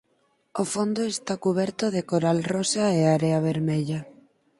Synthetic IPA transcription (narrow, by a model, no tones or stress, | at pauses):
ofond̪oest̪akuβɛɾt̪oðekoɾalrosaeaɾeaβ̞eɾmeʎa